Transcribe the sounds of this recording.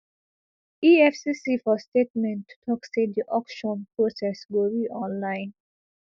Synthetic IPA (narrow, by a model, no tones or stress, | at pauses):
iɛfsisifɔstetmɛ̃ntʰːu̥tʰɔkset̚diʔɔkʃɔ̃npɹosɛswɪlɹiʔɔ̃nlãɪ̃n